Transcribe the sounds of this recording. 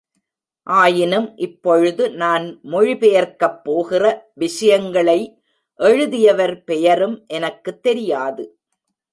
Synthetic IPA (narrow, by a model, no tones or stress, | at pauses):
ʔaːjɪnɯmʔɪpːɔɻɯðɯnaːnmʊɻɪpɛjɐɾkɐpːoːɣɪrɐʋɪʂɐjɐŋɡɐɭɐɪ | ʔɛɻɯðɪjɐʋɐɾpɛjɐɾɯmʔɛnɐkːɯt̪ːɛɾɪjaːðɯ